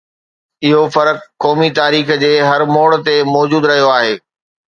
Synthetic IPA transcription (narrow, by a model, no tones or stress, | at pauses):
ɪɦofɐɾəkːɔːmit̪aːɾiːxd͡ʑeːɦɐɾmoːɽt̪emɔːd͡ʑuːd̪ɾɐɦijoaːɦeː